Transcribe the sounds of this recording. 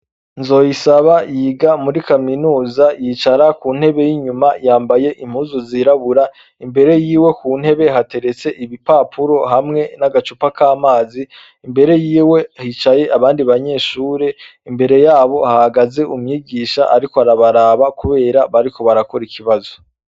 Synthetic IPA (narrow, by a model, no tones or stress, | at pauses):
nzo̞ːjisaβajiːɡamuɾikaminuːzajit͡ʃaɾakuːn̥he̞βe̞jiɲumajaːmbaje̞ʔim̥huːzuziɾaβuɾa | imbe̞ɾe̞jiːwe̞kuːn̥he̞βe̞ɦate̞ɾe̞t͡seʔiβipaːpʰuɾo̞ɦamŋe̞naɡat͡ʃupakaːmaːziː | mbe̞ɾe̞jiːwe̞hit͡ʃaje̞ʔaβaːndiβaɲe̞ːʃuːɾe̞imbe̞ɾe̞jaːβo̞hahaɡaze̞ʔumɲiːɡiːʃaʔaɾikoaɾaβaɾaβakuβe̞ːɾaβaɾiko̞βaɾako̞ɾikʰiβazo